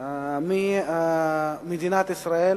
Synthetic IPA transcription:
mi | mid̪inat̪ɪsɾaːi

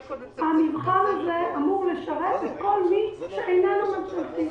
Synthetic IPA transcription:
hamivχanhazeʔamuʁleʃaʁetet̪kolmiʃeʔejnanumat͡slafim

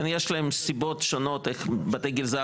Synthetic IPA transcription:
njeʃlaemsibot̪ʃonoteχbat̪eɡilza

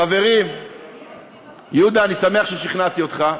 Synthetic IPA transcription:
ave̞ʁim | jud̪aːnisame̞aχʃeʃiχnat̪iot̪χa

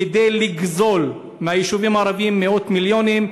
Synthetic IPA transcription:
ed̪ejliɡzo̞l | meajiʃuvimaːɾavimːeo̞t̪miljonim

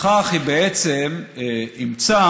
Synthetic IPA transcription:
aχhibeet͡semimt͡sa

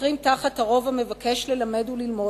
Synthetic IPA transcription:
ʁimtaχataʁo̞vame̞vake̞ʃle̞lame̞dulilmo

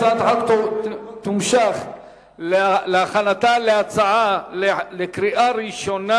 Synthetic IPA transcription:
at̪ʕakt̪t̪umʃaχ | lleaχanat̪aleat͡saʕalelekɾiʔaɾiʃo̞na

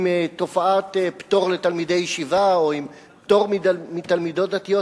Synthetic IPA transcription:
met̪o̞faat̪ept̪o̞ʁlet̪almid̪ejːeʃivaoim | pt̪o̞ʁmidmit̪almid̪o̞t̚d̪at̪ijo

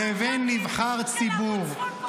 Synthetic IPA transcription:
evenːivχaʁt͡sibuʁ

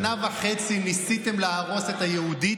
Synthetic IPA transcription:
navaχe̞t͡sinisit̪e̞mleaʁo̞se̞t̪ajeud̪i

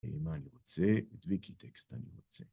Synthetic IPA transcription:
eimaːniʁot͡seid̪vikit̪ʰekst̪aniʁo̞t͡se

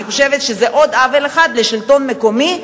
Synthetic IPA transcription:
iχoʃevet̪ʃezeʔo̞d̪aveleχad̪leʃilto̞nme̞ko̞mi

